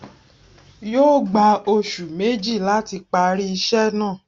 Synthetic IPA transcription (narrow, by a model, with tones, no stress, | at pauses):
joː˦ɡ͡ba˧o˧ʃu˨me˨˦d͡ʒi˦˨la˦ti˧k͡pa˧ɾi˦i˧ʃɛ˦nãː˦˨